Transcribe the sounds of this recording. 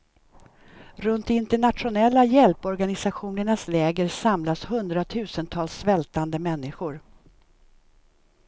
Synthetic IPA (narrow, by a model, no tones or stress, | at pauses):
ɾɵnt̪ɪnt̪ɛɳat̪ɧʊnɛlːajɛlpɔɾɡanɪsaɧuːnəɳaslɛːɡəɾsamlashɵnd̪ɾat̪ʰʉ̟ːsənt̪ʰɑːlsːvɛlt̪and̪əmɛnːɪɧʊɾ